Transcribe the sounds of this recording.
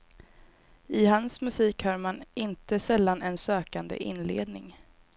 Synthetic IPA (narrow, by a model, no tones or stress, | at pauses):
ɪɦansmɵsiːkhaːɾmanɪnt̪əsɛlːanɛnsøːkand̪ə̰ʔɪ̰nːlḛːd̪nɪ̰ŋ